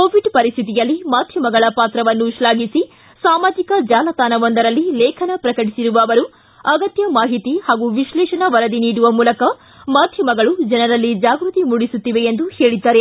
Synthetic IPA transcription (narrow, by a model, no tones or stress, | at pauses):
koːʋiɖpɐɾist̪ʰit̪̬ijɐlːimaːd̪ʱjɐmɐɡɐɭɐpaːt̪ɾɐʋɐnːuʃlaːɡisi | saːmaːd͡ʒikɐd͡ʒaːlɐt̪aːnɐʋond̪ɐɾɐlːilɛːkʰɐnɐpɾɐkɐʈisiɾuʋɐːʋɐɾu | ɐɡɐt̪jɐmaːɦit̪ihaːɡuʋiʃlɛːʃɐnɐʋɐɾɐd̪iniːɽuʋɐmuːlɐkɐ | maːd̪ʱjɐmɐɡɐɭud͡ʒɛnɐɾɐlːid͡ʒaːɡɾut̪imuɽisut̪ːiʋeend̪uhe̞ːɭid̪ːaːɾe̞